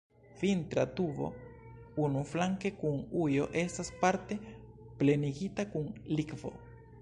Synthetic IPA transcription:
vint̪ɾa̰t̪uvo̞̰unuflaŋke̞kunujo̞ʔe̞staspaɾte̞ | ple̞niɡitakunlikvo̞̰

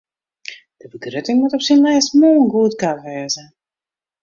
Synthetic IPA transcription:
d̥əbədrøtɪŋmutɔpsinlɛjsmoːnɡuətkatʋɛːzə

